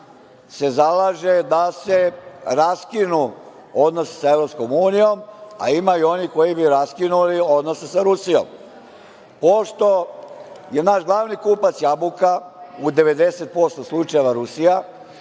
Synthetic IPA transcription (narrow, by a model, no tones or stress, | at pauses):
se̞zalaʒe̞d̪aseɾaskinu | o̞d̪no̞se̥saeʋɾo̞psko̞muːnijo̞ma̰imajuo̞niko̞jibiɾaskinulio̞d̪no̞sesaɾusijo̰m | po̞ʃt̪o̞ | je̞naʃɡlˠaʋnikupat̪sjabukaud̪e̞ʋe̞d̪e̞se̞t̪̚po̞st̪oslˠut͡ʃajeʋaɾusija